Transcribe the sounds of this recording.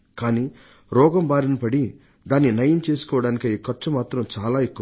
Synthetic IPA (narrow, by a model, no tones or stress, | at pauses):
kaːniː | ɾɔːɡɐmbaːɾɐnɐpɐɽi | d̪aːnːinɐjɐmt͡ʃe̞ːsu̥kɔːʋɐɽaːnikiiːkɐɾt͡ʃɐmaːt̪ɾɐmt͡ʃaːlaːekːu